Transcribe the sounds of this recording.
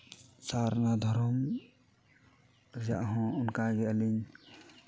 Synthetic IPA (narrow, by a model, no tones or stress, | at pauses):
saɾnad̪ʱɔɾɔm | ɾid͡ʒaʔɦɔ̃unkaɡɛaliɲ